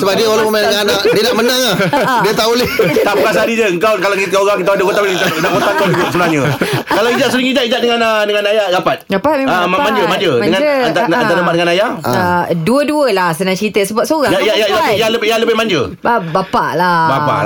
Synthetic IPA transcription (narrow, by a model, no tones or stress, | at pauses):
səbap̚diəwalaməmajdəŋanʔdiənaʔmənãŋahdiət̪aʔolɪht̪aʔpəkas̬aɾid͡ʒəəŋkawkalakit̪aoɣaŋkit̪audəkot̪ablkit̪anaʔkot̪ak̪aibʊt̪səbənaɲəkalawid͡ʒaʔ̪̚suliŋid͡ʒaʔid͡ʒat̪ʔ̚dəŋanədəŋanajaɡapat̪̚ɡapaəmamaɲd͡ʒəmad͡ʒədəŋant̪aanadəbat̚dəŋanaja̰ | duəduəlahsənaŋt͡ʃəit̪əsəbap̚soɣaŋjaajad͡ʒajaləbjaləbɪhmaɲd͡ʒəbbapaʔlabapa̰